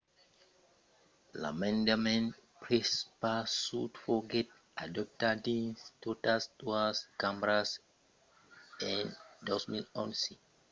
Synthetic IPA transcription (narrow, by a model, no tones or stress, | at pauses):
la̰mɛ̃ndamɛ̃npɹespasutfɔɡɛt | adɔp̚tadĩnstotastuaskãmɹas | ɛ̃ndɔsmĩnɔ̃nsi